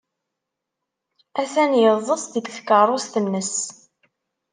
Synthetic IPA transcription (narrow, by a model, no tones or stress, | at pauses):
æθænjəðˤəsˤd̪id̪θkərˤost̪ənːəs